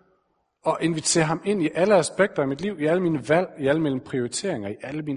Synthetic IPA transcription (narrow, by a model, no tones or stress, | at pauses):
ɒ̽ʔe̝nʋit͡sʰe̝̰ːɐɦhɑ̈me̝n̰iʔæləæsb̥eɡ̥̚d̥ɐæmid̥liʊ̰iæləmiːnəʋæl̰iæləmel̰m̩pʰʁio̝ʁit͡sʰe̝̰ɐ̰eŋɐiʔæləmiːn